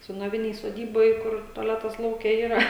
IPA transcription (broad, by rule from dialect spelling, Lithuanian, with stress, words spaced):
sʲɛnoːˈʋʲɪnʲeːj soːˈdʲiːboːj ˈkʊr toːˈlʲæːtɐs lˠɐʊˈkʲɛ iːˈrɐ